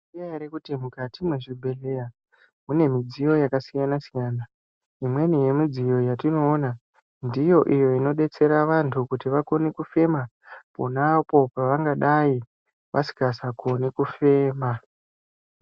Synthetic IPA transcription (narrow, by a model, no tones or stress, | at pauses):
iaɾekutimukatimwe̞ʐibʱe̞le̞ja | mune̞mid͡zijo̞jakasijanasijaːna | imwe̞nije̞mid͡zijo̞jatino̞ːna | ndijo̞ʔijo̞ino̞ɗe̞t͡se̞ɾaʋantʰukutiʋako̞nekufe̞ma | ponapo̞paʋaŋɡaɗai | ʋʔasi̥kasako̞nekufe̞ːma